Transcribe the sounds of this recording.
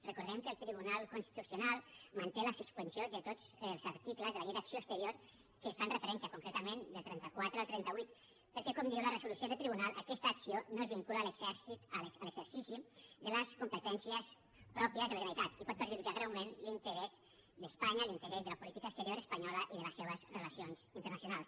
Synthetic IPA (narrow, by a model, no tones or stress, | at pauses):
rəkuɾðɛmkəːlˠt̪ɾiβunalˠkunst̪i̥t̪usiunalˠmant̪eləsuspənsjod̪ət̪ozəlˠzəɾt̪ikləzðəlɣeðəksioəst̪əɾjoɾ | kəfanrəfəɾɛnsiəkuŋkɾet̪əmend̪əlˠt̪ɾɛnt̪əkwat̪ɾəalˠt̪ɾɛnt̪əβwit̪ | pəlkɛkomd̪iwlərəzulusjoðəlt̪ɾiβunalˠʔəkɛst̪aːksionoezβiŋkulaːləɡzɛsit̪ələɡzəɾsisid̪ələskumpət̪ɛnsiəs | pɾɔpiəzðələʒənəit̪at̪ipɔt̪̚pəɾʒuðikaɣɾawmenlint̪əɾɛz | d̪əspaɲalint̪əɾɛzðələpulit̪ikaəkst̪əɾioɾəspəɲɔləʔiðələsːeβ̞əzrəlasionsint̪əɾnəsjunalˠs